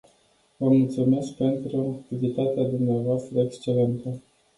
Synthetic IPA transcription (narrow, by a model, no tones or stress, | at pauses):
vəmult̪sume̞sk̚pe̞nt̪ɾuak̚t̪ivit̪at̪ead̪umneavoast̪ɾəekst͡ʃe̞le̞nt̪ə